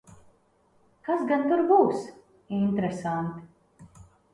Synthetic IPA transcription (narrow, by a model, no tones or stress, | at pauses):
kasɡant̪uɾbuːs | int̪ɾɛsant̪